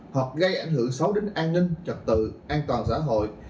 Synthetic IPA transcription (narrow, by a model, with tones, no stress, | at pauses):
hə˨˩k͡p̚ɣə˧jʔa˧˩jŋ̟ɦɨ˧˩əŋsa˨˦wɗe˨˦ŋʔaː˧nːï˧ŋ̟t͡ɕə˨˩t̚t̪ɨ̰˧˨ʔaː˧nt̪waː˨˩nsa̰ː˧˥ɦo̰˧˨j